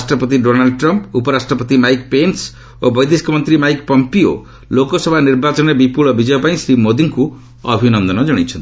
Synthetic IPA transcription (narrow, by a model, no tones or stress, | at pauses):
sʈrʌpʌt̪̬iɖonalɖʈrʌmpupʌɾasʈrʌpʌt̪imajkpens | obʌjd̪eskɔmʌnt̪ɾimajkpʌmpio̰ | lokosʌbʱaniɾbat͡ʃɔnebipuɭɔbid͡ʒʌjɔpaĩsɾimod̪iŋku | ʌbʱinʌnd̪ʌnʌd͡ʒʌɽ̃it͡ʃʰʌnt̪